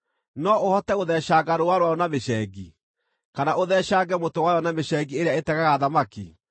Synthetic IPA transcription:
nɔohɔtɛoðɛaːɡaɾowaɾwaɔnameʃɛːɡi | kanaʔoðɛɕaːɡɛmotowajɔnameɕɛɡieɾeaetɛɣaɣaðamakḭ

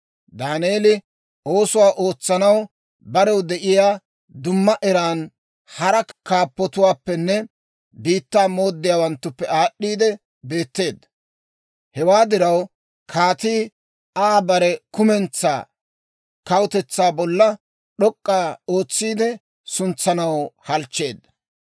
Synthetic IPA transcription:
d̪aːneːlɪ | o̞ːsʊwaːʔo̞ːt͡sːɐnɐw | bɐɾɛwd̪ɛʔɪjaː | d̪ʊmːɐʔɛɾaːn | hɐɾɐkaːpːɔt̪ʊwaːpːɛnːɛ | biːt̪ːaːmo̞ːd̪ːɪjaːwɐnt̪ːʊpːɛaːɗːiːd̪ɛ | be̞ːt̪ːe̞ːd̪ɐ | hɛwaːd̪ɪɾɐw | kʰaːt̪iː | aːbɐɾɛkʊmɛnt͡sːa̰ː | kɐwʊt̪ɛt͡sːaːbɔlːɐ | ɗɔkʼːaːo̞ːt͡sːiːd̪ɛ | sʊnt͡sːɐnɐwhɐlt͡ʃːe̞ːd̪ːɐ

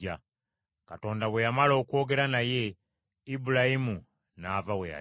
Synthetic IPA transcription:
a | kato̞ːndaβwe̞jamalo̞ːkuo̞ːɡe̞ɾanaje̞ | ibulaimu | naːvaweja̰

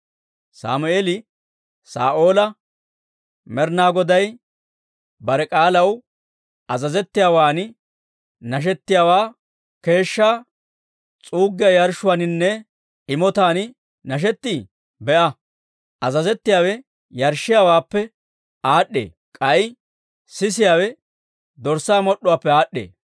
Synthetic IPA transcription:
sa̰ːmʊeːlɪ | sa̰ːʔo̞ːlɐ | mɛɾnaːɡɔd̪ɐj | bɐɾɛkʼaːlɐw | ɐzɐzɛt̪ːɪjaːwaːn | nɐʃ̬ɛt̪ːɪjaːwaː | ke̞ːʃːaː | t͡sʼuːɡːɪjɐjɐɾʃʊwaːnɪnːɛ | ɪmɔt̪aːn | nɐʃ̬ɛt̪ːiː | bɛʔɐ | ʔɐzɐzɛt̪ːɪjaːwɛ | jɐɾʃːɪjaːwaːpːɛ | aːɗːḛː | kʼɐj | sɪs̬ɪjaːwɛ | d̪ɔɾsaːmɔɗːʊwaːpːɛaːɗːḛː

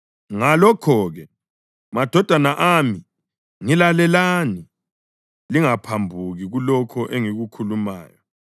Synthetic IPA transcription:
ŋalɔkʰɔːɣɛ | mad̥ʱɔd̥ʱanaʔami | ŋilalɛlani | liŋapʰambʱuɣiɣulɔkʰɔʔeŋiɣukʰuluma̰ːjɔ

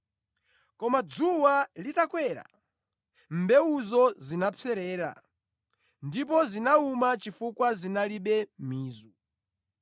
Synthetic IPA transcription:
kɔmad͡zuwalitakwɛɾa̰ | mbɛuzɔzinapʰɛɾɛːɾa̰ | ndip̬ɔzinaumat͡ʃifukwazinaliɓɛmiːzu

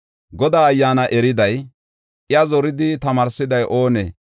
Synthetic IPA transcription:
ɡɔd̪aːɐjːaːnɐʔɛɾɪd̪ɐj | ɪjɐzɔɾɪd̪ɪt̪ɐmaːɾsɪd̪ɐjʔo̞ːnɛ

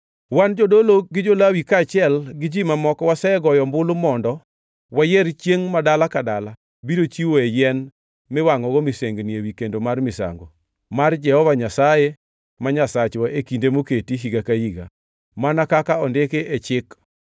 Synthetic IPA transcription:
wand͡ʒodoloɡɪd͡ʒolawikat͡ʃɪɛlɡɪd͡ʒimamɔkɔwasɛɛɡɔjɔmbʊlʊmɔndɔ | wajɛrt͡ʃjeŋmadalakadala | biɾot͡ʃiwoejɛn | mɪwaŋɔɡɔmɪseŋɡnjewikendomarmɪsa̰ŋɡɔ̰ | mard͡ʒɛhɔvaɲasaje | maɲasat͡ʃwaʔekindemoketiɦiɡakahiɡa̰ | manakakaɔndekeʔet͡ʃɪk

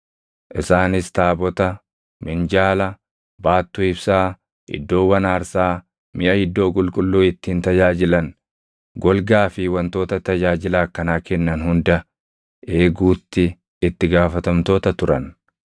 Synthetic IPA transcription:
ʔɪsaːnɪst̪aːbɔt̪ɐ | mɪnd͡ʒaːlɐ | baːt̪ːuːɪbsaː | ʔɪ̰d̪ːo̞ːwɐnaːɾsaː | mɪʔɐhɪd̪ːo̞ːk̬ʼʊlkʼʊlːuːɪt̪ːiːnt̪ɐd͡ʒaːd͡ʒɪlɐn | ɡɔlɡaːfɪwɐnt̪o̞ːt̪ɐt̪ɐd͡ʒaːd͡ʒɪlaːkːɐnaːkɛnːɐnhʊnd̪ɐ | ʔe̞ːɡuːt̪ːɪ | ɪt̪ːɪɡaːfɐt̪ɐmt̪o̞ːt̪ɐt̪ʊɾɐn

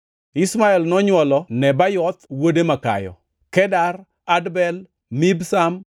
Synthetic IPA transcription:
ismaɛlnɔɲwɔlɔnɛbajɔt̪wodemaka̰jɔ̰ | kɛdar | adbɛl | mibsam

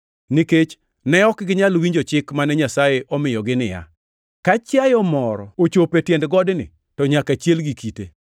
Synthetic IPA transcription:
niket͡ʃ | nɛɔkɡɪɲalwiɲd͡ʒot͡ʃɪkmanɛɲasajeʔɔmɪjɔɡɪnɪja̰ | kat͡ʃjajɔmɔɾɔ̰ot͡ʃopetjɛndɡɔdnɪ̰ | tɔɲakat͡ʃjelɡikite

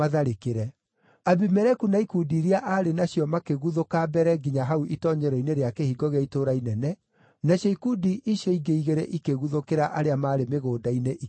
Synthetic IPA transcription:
aðaɾekeɾɛ | abimɛɾɛkunaikudiɾiaʔaɾenaɕjɔmakeɣuðokaːbɛɾɛɡiɲaɦauʔitɔɲɛɾɔineɾeakehiɡɔɣɛitoːɾainɛnɛ | naʃeikudiʔiɕɔiɡeiɣeɾɛʔikeɣuðokeɾaʔaɾeamaːɾemeɣoːdaineʔi

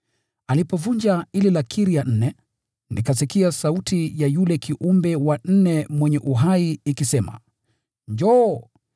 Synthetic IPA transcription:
alipɔvuɲd͡ʒaililakʰiɾijan̩nɛ | nikasikiasautijajulɛkʰiʔumbɛwan̩nɛmwɛɲɛʔuɦaiikisɛma̰ | ɲd͡ʒɔ

